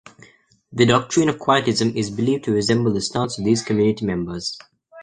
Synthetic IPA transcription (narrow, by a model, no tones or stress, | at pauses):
ðədɔk̚tʰɹ̥ĩnəv̥kʰw̥aɪətɪzə̃mɪzbɪliːvtʰəɹɪzɛ̃mbəl̩ˠd̪əstɑ̃tsəvðiːz̥kʰəmjʉːnɪtimɛ̃mbəz̥